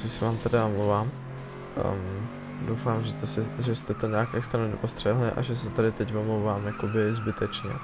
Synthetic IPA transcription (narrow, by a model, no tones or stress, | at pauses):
sɪsɛvaːmt̪adɪomlowvaːm | dowfaːmʒɛt̪ɛsɛʒɛst̪ɛt̪oɲaːkjakst̪ɛnɛdopost̪r̥ɛɦlɪʔa̰ʒɛsɛt̪adɪt̪ɛcvomlowvaːmjakobɪzbɪt̪ɛt͡ʃɲɛ̰